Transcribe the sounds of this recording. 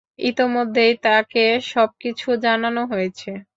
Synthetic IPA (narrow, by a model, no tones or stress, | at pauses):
it̪imod̪ʱːejt̪akeʃɔb̚kit͡ɕʰud͡ʑananoɦojet͡ɕʰe